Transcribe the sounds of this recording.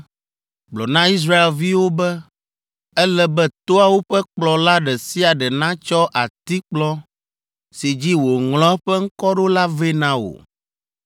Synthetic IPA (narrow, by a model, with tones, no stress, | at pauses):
ɡ͡blɔ˨nã˦i˦s̬ɾa˦e˨lvi˦wo˦bɛ˦ | ɛ˦lɛ˦bɛ˦t̪o˦a˨wo˦ɸɛ˦k͡plɔ˨la˦ɖɛ˨si˦a˨ɖɛ˨nã˦t͡ʃɔ˦ʔa˨t̪i˦k͡plɔ˦ | si˨d͡ʑi˦wo˨ŋlɔ̃˦ɸɛ˦ŋ̩˦kɔ˦ɖo˦la˦ve˦nã˦wo̰˨